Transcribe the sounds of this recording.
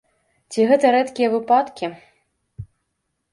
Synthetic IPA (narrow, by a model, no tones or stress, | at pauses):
t͡sʲiɣɛt̪ɐɾɛt̪kʲijɐvɨpat̪kʲi